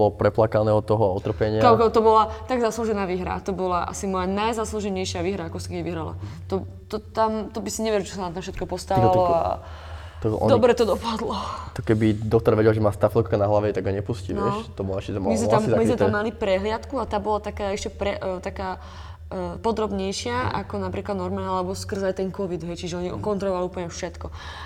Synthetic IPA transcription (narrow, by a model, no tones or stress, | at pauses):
bɔlɔpɾɛplakanɛːɦɔt̪ɔɦɔaɔt̪r̩pɛɲɪakakɛt̪ɔbɔlat̪aɡzasluʒɛnaːʋiɦɾa̰t̪ɔbɔlaʔa̰simɔjanajzasluʒɛɲɛjʃɪaʋiːɦɾaakɔsi̥kɛiʋiɦɾala̰t̪ɔ | t̪ɔt̪amt̪ɔbisiɲɛʋɪɛɾmt͡ʃɛ̥sanamt̪ãfʃɛt̪̚kɔpɔst̪aʋalɔa̰ | t̪ɔʔɔ̰d̪ɔbɾɛt̪ɔd̪ɔpad̪lɔt̪ɔkɛbid̪ɔkt̪ɔɾʋɛɟɛlʒɛmaːst̪afɛlkanaɦlaʋɛt̪aɡaɲɛpusciʋnj̪ɛʃt̪ɔbɔlaɛʃcɛmmizmɛt̪amamizmɛt̪amːalipɾɛɦlɪat̪kuat̪aːbɔlat̪akaːɛʃcɛpɾɛt̪akaː | pɔd̪ɾɔbɲɛjʃɪaʔa̰kɔnapɾiːklad̪nɔɾmanaalɛbɔskr̩zajt̪ɛnkɔʋid̪ɦɛjt͡ʃiʒɛɔɲiɔkɔnt̪ɾɔlˠɔʋaliuplɲɛfʃɛt̪kɔ